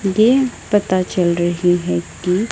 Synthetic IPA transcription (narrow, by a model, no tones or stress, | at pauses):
jepɐt̪at͡ʃɐlɾɐɦiɦɛki